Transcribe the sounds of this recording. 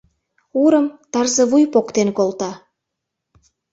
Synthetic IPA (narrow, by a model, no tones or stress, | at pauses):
uɾəmt̪ɑrzə̆βujpokt̪enkolt̪ɑ